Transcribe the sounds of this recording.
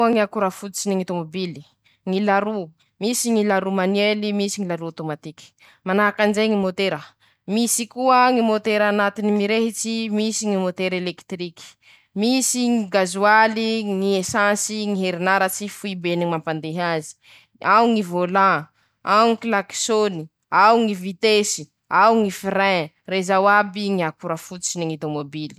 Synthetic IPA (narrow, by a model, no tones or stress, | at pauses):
aŋiakuɾafut͡siniŋat̪omobili̥ | ŋilaɾu | misiŋilaɾumanwelimisiŋilaɾuat̪omat̪iki̥ | manaakand͡ʒejŋimot̪eɾə | misikuəŋimot̪eɾanat̪inimiɾeɦit͡ʃimisiŋimot̪eɾelekt̪riki̥ | misiŋiɡazualiŋiesãsiŋiɦeɾinaɾat͡ʃifuibeniŋimampand̪eɦazi̥ | awŋivolã | awŋiklaki̥soni | awŋivit̪esi̥ | awŋifiɾɛ̃ | rezawabiŋiakuɾafu̥t͡ʃiniŋit̪omobili̥